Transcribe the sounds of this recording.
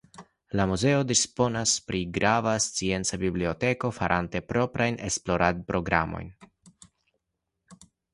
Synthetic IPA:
lamuze̞o̞dispo̞naspɾiɡɾʔavast͡sie̞nt͡sabiblio̞te̞ko̞faɾʔante̞pɾo̞pɾajne̞splo̞ɾʔadpɾo̞ɡɾa̰mo̞̰jn

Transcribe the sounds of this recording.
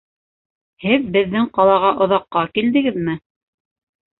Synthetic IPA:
hɘðbɘ̆ðːɘŋqɑlˠɑʁɑʔŏðɑqːɑkild̪ɘ̆ɡɘðmɘ

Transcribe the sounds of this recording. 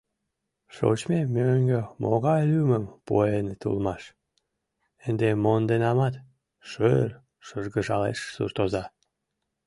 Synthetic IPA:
ʃo̰t͡ɕmemøŋɡømʔo̰ɣɑjlyməmpo̰enet̪ṵlmɑʃ | ənd̪emond̪enɑmɑt̪ | ʃøl | ʃəʒɣəʒɑlḛʃsṵrt̪ozɑ

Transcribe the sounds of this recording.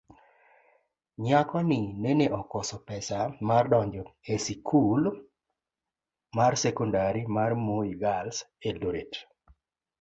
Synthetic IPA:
ɲakɔnɪneneʔɔkɔsɔpɛsamardɔɲd͡ʒɔesikʰul | marsɛkundaɾimarmoiɡalsedoɾet

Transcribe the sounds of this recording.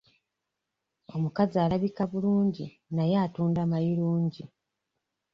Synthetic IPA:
o̞mukazialaβikaβuluːɲɟi | najaːtuːndamajiɾuːɲɟi

